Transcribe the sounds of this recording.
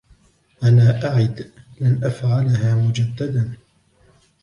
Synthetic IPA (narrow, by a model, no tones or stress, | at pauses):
ʔanaːʔaʕɪd̪ | lanʔafʕalaɦaːmʊd͡ʒad̪ːad̪an